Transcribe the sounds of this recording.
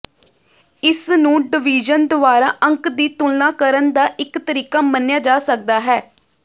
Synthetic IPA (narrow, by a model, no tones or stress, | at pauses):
ɪsnũːɖɪʋiːd͡ʒənd̪ʊʋaːɾa̰ːʔə̃ŋkd̪iːt̪ʊlnãːkəɾənd̪aːʔɪkt̪əɾiːkaːmənejaːd͡ʒaːsək̚d̪aːɦɛː